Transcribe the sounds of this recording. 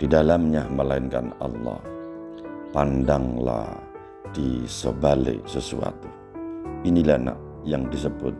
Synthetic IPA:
d̥idalamɲaməlaɪnkanɑlːɑh | pandaŋla̰ | d̥isəbalḛsəsua̰t̪u | inilahna̰ʔ | jaŋdis̬əbʊt̪̚

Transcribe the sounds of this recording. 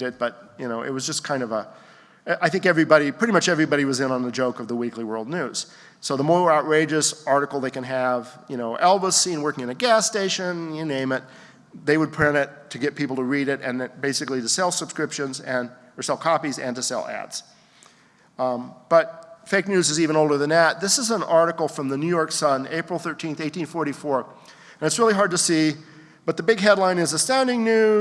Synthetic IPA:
ɪt̚b̥ʌt̚jɨñoʊʔɪ̰t̚wʌzd͡ʒʌskʰãɪ̃ndʌvə | ʔaɪθɪ̃ŋkɛvɹibɑɾipʰɹ̥ɪɾimʌt͡ʃɛvɹibɑɾiwʌzɨ̃nə̃nðɨd͡ʒoʊkʌvðəwikliwɜ˞lˠdⁿnʉz̥ | soʊðəmɔɹaʊt̚ɹeɪd͡ʒɨsɑɹɾɨkl̩ˠðeɪkɨ̃nɨvjɨnoʊʔɛlˠbəsĩnwɜ˞kɪ̃ŋɨ̃ñɨɡæsteɪʃɨ̃nɨnẽɪ̃mɨt̪̚ | ðeɪwəd̚pʰɹ̥ɛmɪtʰɨɡɛt̚pʰipl̩ˠtɨɹiɾɪɾɨ̃nðɨ̃nbeɪsɨkliɾɨsɛlˠsəb̥skɹɪpʃɨ̃nzɨ̃n | ə˞sɛlˠkʰɑpizɨ̰̃ntɨsɛ̰lˠæ̰dz̥ | b̥ʌt̚feɪk̚nʉzɨzivɨ̃noʊlˠdə˞ðɨ̃nðɨt̪̚ðɪsəzə̃nɑɹɾɨkl̩ˠfɹʌ̃mðɨnʉjɔɹksʌ̃neɪpɹl̩ˠθɜ˞tʰĩnθeɪtĩnfɔɹɾifɔɹ | ɨ̃nɨtsɹɪlˠiɦɑɹd̚tɨsi | b̥ʌt̪̚ðɨbɪɡɦɛdˡlãɪ̃nɨzəstãʊ̃ndɪ̃ŋnʉ

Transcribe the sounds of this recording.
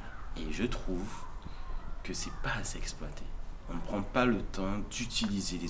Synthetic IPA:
eʒət̪χuv | kəsɛpaːsɛksplwat̪ʰeɔ̃nəpχɑ̃palət̪ɑ̃d̪yt̪ʰilizele

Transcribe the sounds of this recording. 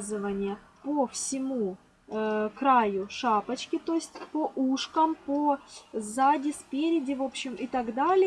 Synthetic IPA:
zɨvənʲɪjə | pofsʲɪmu | kɾajʊʂapət͡ɕkʲɪt̪o̞ɪsʲtʲpoʔuʂkəmpozadʲɪspʲeɾʲɪdʲɪvo̞pɕːɪmɪt̪ɐɡd̪alʲɪ

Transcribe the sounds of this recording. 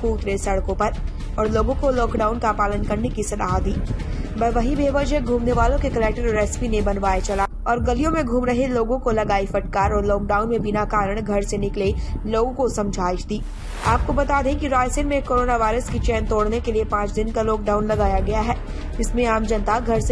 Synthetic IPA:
kuːt̪ɾesɐɽkõpɐɾ | ɔːɾloːɡõkolɔːkɖaːʊnkapaːlənkɐɾnekisɐd̪aːɦad̪iːbɐʋɐɦĩbʱeːʋəd͡ʒeɡʱuːmneʋaːlõkekɐlɛk̚ʈəɾɾɛːsɪ̥pinebɐnʋaːet͡ʃɐla | ɔːɾɡɐlijõmẽɡʱuːmɾɐɦeloːɡõkolɐɡaːifɐʈkaːɾɔːɾlɔːkɖaːʊnmẽbɪnakaːɾəɽ̃ɡʱɐɾsenɪkleloːɡõkosɐ̃md͡ʒʱaːɪʃd̪iː | aːp̚kobɐt̪aːd̪ẽkiɾaːsɪ̃nmẽkoːɾoːnaʋaːɪɾəskit͡ʃɛːnt̪oːɽnekeliepãːt͡ʃd̪ɪnkalɔːk̚ɖaːʊnlɐɡaːjaɡɐjaɦɛː | ɪsmẽaːmd͡ʒɐ̃nt̪aɡʱɐɾse

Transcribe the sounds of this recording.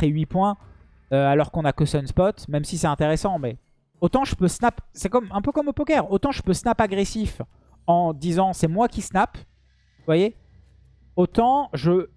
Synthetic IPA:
χeɥipwɛ̃ | øalɔʁkɔ̃nakøsɔnspɔt̪mɛmsisɛt̪ɛ̃t̪eʁesɑ̃mɛ | ot̪ɑ̃ʒəpøsnapsɛkɔmɛ̃pøkɔmopɔkʲɛʁot̪ɑ̃ʒəpøsnapaɡʁesif | ɑ̃d̪izɑ̃sɛmwakʲisnap | vwaje | ot̪ɑ̃ʒə

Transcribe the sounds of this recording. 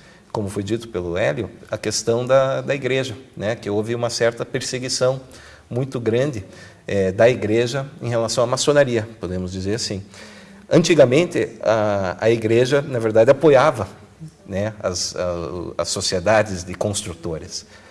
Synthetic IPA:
kõmʊfojd͡ʒit̪ʊ̥pelʊɛljʊɐkest̪ɐ̃w̃d̪ɐd̪ɐiɡɾeʒɐnɛkɪowvɪũmɐsɛɾt̪ɐpeɾseɡisɐ̃w̃ | mũj̃t̪ʊɡɾɐ̃nd̪ɪ | ɛd̪ɐiɡɾeʒɐẽɦelasɐ̃w̃ɐmasonaɾiɐpod̪ẽmʊzd͡ʒizeɾasĩ | ɐ̃nt͡ʃiɡɐmẽnt̪ɪaɐiɡɾeʒɐnɐveɾd̪ad̪ɪapojavɐ | nɛɐ̰s | ɐ̰sːosied̪ad̪ɪzd̪ɪkõst̪ɾut̪oɾɪs

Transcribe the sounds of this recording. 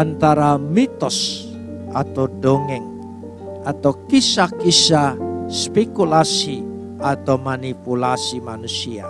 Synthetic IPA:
ant̪aɾamit̪ɔs | ʔat̪awɖoŋɛŋ | ʔat̪awkisakisaspekulasi | ʔat̪awmanipulasimanusia̰

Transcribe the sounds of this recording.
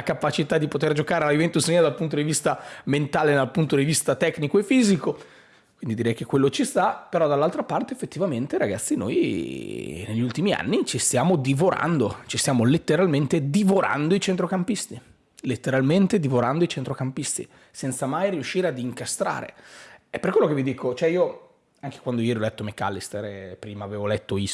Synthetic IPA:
akapat͡ʃit̪ad̪ipot̪erd͡ʒokaːɾealajovent̪usniad̪alpunt̪̬od̪ivist̪ament̪aːled̪alpunt̪od̪ivist̪at̪ɛkːnikoefiːziko | wind̪id̪iɾɛjkekːwelːot͡ʃist̪apeɾɔd̪alːalt̪ɾapart̪eefːet̪ːivament̪eɾaɡat̪sːino̰j | neʎːult̪imia̰nːit͡ʃist̪jaːmod̪ivoɾa̰nd̪ot͡ʃist̪jaːmolet̪ːeɾalment̪ed̪ivoɾʔa̰nd̪oit͡ʃent̪ɾokampist̪i | let̪ːeɾalment̪ed̪ivoɾand̪oit͡ʃent̪ɾokampist̪ḭ | sɛnt̪samajɾiuʃːiːɾead̪iŋkast̪ɾa̰ːɾḛɛpːerkwelːokevid̪iːkot͡ʃoɛio | aŋk̟e̥kwand̪ojɛːɾiolɛt̪ːomeka̰lːist̪eɾpɾiːmaːveːvolɛt̪ːoi

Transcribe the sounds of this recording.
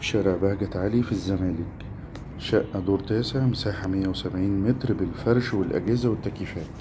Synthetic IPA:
ʃɑɾˤɑʕbæhɡæt̪ʕalifizːæmæːlɪk | ʃæʔʔæd̪oːɾt̪æːseʕmsaːħamɪjːæwesæbʕiːnmet̪ɾbelfɑɾˤʃwɪlʔæ̰ɡæːzæwɪt̪ːækiːfæːt̪

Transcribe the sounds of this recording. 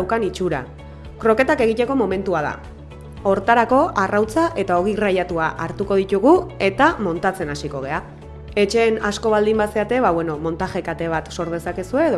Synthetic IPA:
wkanit͡ʃuɾa̰ | kɾo̞ke̞t̪ake̞ɣ̞it̪eko̞mo̞me̞nt̪uað̞a̰ | o̞ɾt̪aɾako̞ʔarawt͡saʔe̞t̪ao̞ɣ̞irajat̪uaʔaɾt̪uko̞ð̞it̪uɣue̞t̪amo̞nt̪at͡se̞nasiko̞ɣ̞e̞a | e̞t͡ʃe̞ːnasko̞β̞ald̪imbase̞at̪e̞βaβwe̞no̞mo̞nt̪axe̞kat̪e̞β̞at̪so̞ɾð̞e̞sake̞sue̞ːðo

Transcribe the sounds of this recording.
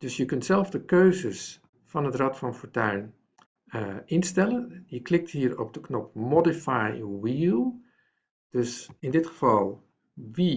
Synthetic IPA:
d̥ɵsjəkɵntsɛlˠvdəkøɥzəs | fɑnɦətrɑtfɑnfoːɹtœɥn | ʔɪnstɛlənjəklɪk̚tɦiːɹɔ̰b̚dəknɔp̚mɔdifajwiːlˠ | d̥ɵsɪndɪtχəv̥ɑlˠ | ʋi

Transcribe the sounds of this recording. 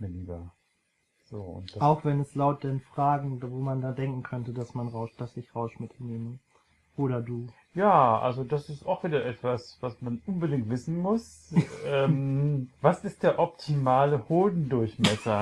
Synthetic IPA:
miːɐliːbɐ | z̥o̰ːʊ̰ntd̥aaʊxv̥ɛnɛslaʊt̚d̥ɛnfʁ̥aːɡŋ̩voːmandandɛŋkŋ̩kʰœntədasmanʁaʊʃd̥asɪçʁaʊʃmɪtʰneːmə | ʔoːɾɐduː | jaːʔa̰lzodasɪstaʊxv̥iːdɐʔɛtv̥asvasmanʔʊnbədɪŋtv̥ɪsn̩mʊs | ʔɛːmvasɪst̚d̥eːɐʔɔp̚tʰimaːləhoːdn̩dʊɐçmɛsɐ

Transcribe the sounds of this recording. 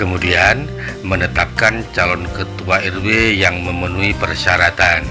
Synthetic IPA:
kəmudian | mənət̪ap̚kant͡ʃalɔnkət̪uaɛrwejaŋməmənuipərʃaɾat̪an

